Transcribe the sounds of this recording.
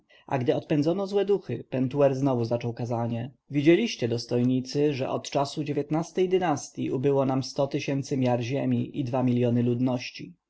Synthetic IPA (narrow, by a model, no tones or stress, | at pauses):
ʔa̰ɡd̪ɘɔt̪̚pɛnd̪zɔnɔzwɛd̪uxɘpɛnt̪uɛɾznɔvuzat͡ʂɔwkazaɲɛ | vʲid͡ʑelʲiɕt͡ɕɛd̪ɔst̪ɔjɲit̪sɘʐɛ̰ʔɔ̰t̪t͡ʂasud͡ʑevʲjet̪nast̪ɛjd̪ɘnast̪ʲjiubɘwɔnamst̪ɔt̪ɘɕɛnt̪sɘmʲjaɾʑemʲiʔid̪vamʲilʲjɔnɘlud̪nɔɕt͡ɕi